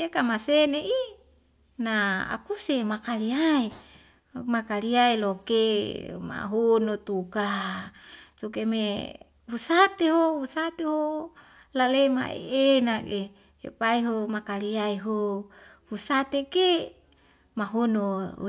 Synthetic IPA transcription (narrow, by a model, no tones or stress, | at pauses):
ekamaseneʔi | naa̰kusemakaliai | makaliailokema̰ɦonot̪uka | t̪ukeme | husat̪eɦohusat̪eɦo | lalema̰ḛenake | ḛpaiɦomakaliaiɦo | husat̪eke | maɦono